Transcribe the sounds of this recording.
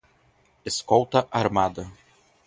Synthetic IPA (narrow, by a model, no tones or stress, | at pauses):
ɪskɔʊt̪ɐʔɐɾmaːd̪ɐ